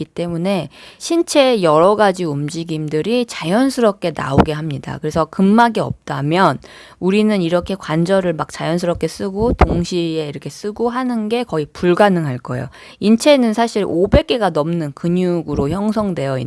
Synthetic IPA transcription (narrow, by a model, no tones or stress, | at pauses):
it͈e̞mune̞ɕʰint͡ɕʰe̞jʌɾʌɡad͡ʑiumd͡ʑiɡimdɯɾit͡ɕajʌnsʰɯɾʌp̚k͈e̞na̰oɡe̞ɦamɲida̰kɯɾe̞sʰʌkɯmːaɡiʌp̚t͈amjʌn | uɾinɯniɾʌkʰe̞kwand͡ʑʌɾɯɭmak̚t͡ɕ͈ajʌns̬ʰɯɾʌp̚k͈e̞s͈ɯɡotoŋɕʰie̞iɾʌkʰe̞s͈ɯɡoɦanɯnɡe̞kʌipuɭɡanɯŋɦaɭk͈ʌjo̰ | int͡ɕʰe̞nɯnsʰaɕʰiɾobe̞k͈e̞ɡanʌmnɯnkɯɲuɡɯɾoçjʌŋsʰʌŋdwe̞jʌḭ